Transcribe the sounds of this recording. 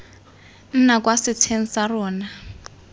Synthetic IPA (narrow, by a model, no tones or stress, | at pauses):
n̩nak̬ʼwasitʰen̩sarɔːna